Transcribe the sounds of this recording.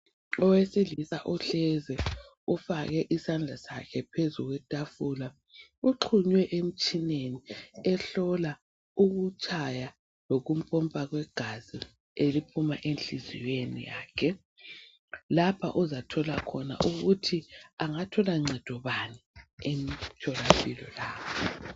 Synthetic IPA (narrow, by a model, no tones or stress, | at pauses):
ɔwesilisa̰ʔuɬɛzɛ | ufaɣɛʔisand͡ɮʱasakʰɛpʰezuɣwɛtʼafula | uǃʰuɲwɛʔem̩t͡ʃʼineniɛɬɔla | uɣut͡ʃʼaja | loɣum̩pʼɔmpʼaɣwɛɡ̥ʱazi | elipʰumaʔenɬizḭjenḭja̰ːkʰɛ | lapʰa̰ʔuzatʰɔlakʰɔna̰ʔuɣutʰiaŋatʰɔlaŋ͡ǀɛd̥ʱɔβaniemitʰɔlapʰʼilɔ̰laːβɔ